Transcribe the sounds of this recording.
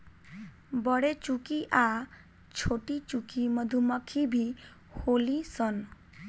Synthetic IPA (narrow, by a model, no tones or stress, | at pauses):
bɔɽet͡ʃukiʔa | t͡ʃʰoʈit͡ʃukimɔd̪ʱumɔkʰibʱi | holisɔn